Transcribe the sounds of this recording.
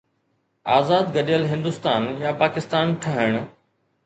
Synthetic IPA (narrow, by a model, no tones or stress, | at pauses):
aːzaːd̪ɡɐɗjəlɦɪ̃nd̪ʊst̪aːnjaːpaːkɪst̪aːnʈʰəɦɪɽ̃